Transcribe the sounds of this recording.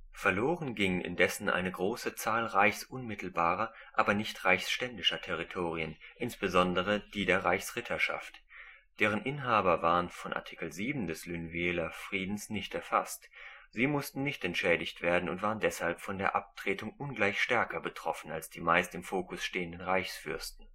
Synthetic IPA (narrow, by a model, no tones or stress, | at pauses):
fɛɐloːʁənɡɪŋənʔɪ̰ndɛsn̩ʔa̰ɪnəɡʁoːsət͡saːlʁaɪçsʔʊnmɪtʰl̩baːʁɐʔaːbɐnɪçtʁaɪçsʃtɛndɪʃɐtʰɛʁ̞itʰoːʁiənʔɪnsb̥əzɔndəʁ̞əd̥iːdeːɐʁaɪçsʁ̥ɪtʰɐʃa̰ft | d̥eːʁ̞ənʔɪnɦaːbɐvaːʁənfɔnʔa̰ɐtʰɪ̥kl̩ziːbm̩dɛslynviɛːlɐfʁ̥iːdn̩snɪçtɛɐfa̰stz̥iːmʊstn̩nɪçtɛntʃɛːdɪçtv̥eːɐdn̩ʊntv̥aːʁəndɛshalpfɔndeːɐʔap̚tʁ̥eːtʊŋʔʊnɡlaɪçʃtɛɐkɐbətʁ̥ɔfn̩alsd̥iːmaɪstɪmfoːkʊsʃteːəndənʁaɪçsfʏɐstn̩